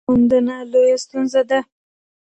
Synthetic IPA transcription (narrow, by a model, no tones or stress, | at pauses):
ond̪ənalojast̪unzad̪a